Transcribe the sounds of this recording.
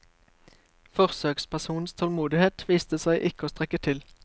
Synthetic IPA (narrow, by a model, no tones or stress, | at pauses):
fɔʁsøːkspæʁsuːn̩st̪ʰɔlmuːd̪ɪheːt̪ʋiːst̪əsæɪʔɪkəoːst̪ʁɛkət̪ʰɪl